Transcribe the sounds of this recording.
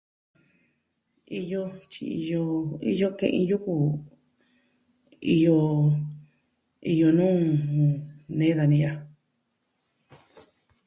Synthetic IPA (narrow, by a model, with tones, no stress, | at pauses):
i˧jo˧t͡ʃi˧i˧jo˧ḭ˦˧jo˧kḛ̃˧ʔḭ̃˧ju˦ku˧˨ | i˧jo˧ | i˧jo˧nũː˦˨ | nẽ˦ða˧nĩ˧ja˧